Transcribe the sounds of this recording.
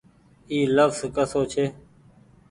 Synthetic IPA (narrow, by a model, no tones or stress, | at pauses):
iːləfzkəsoːt͡ʃʰeː